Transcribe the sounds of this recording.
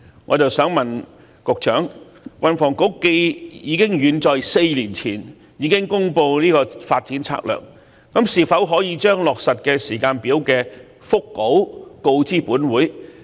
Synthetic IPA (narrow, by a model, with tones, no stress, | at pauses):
ŋɔ̰ː˨˧t͡sɐ˨wsœː˨˥ŋmɐ˨˩n | kʊ˨k̚t͡ʃʰœː˨˥ŋ | kɐ˧nfɔː˨˩ŋko˨˥wke˧jjiː˨˧˥kɪ˥ŋjyː˨˧nt͡sɔː˨jse˧jliː˨˩nt͡sʰiː˨˩n | jiː˨˧kɪ˥ŋkʊ˥ŋpo˧wliː˥kɔː˧faː˧t̚t͡siː˨˥nt͡sʰa̰ː˧k̚lœ̰ː˨˩k̚ː | ɐ˨˥msiː˨˩fɐ˨˥wɦɔː˨˥jiː˨˧t͡ʃœː˥ŋlɔː˨k̚sɐ˨t̚kɛː˧siː˨˩kaː˧npiː˨˥wkɛː˧ | fʊ˥kːo˨˥wko˧wt͡siː˥puː˨˥nwuː˨˥j